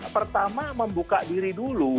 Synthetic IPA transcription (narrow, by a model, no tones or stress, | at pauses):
pərt̪amaməmbukadiɾidulu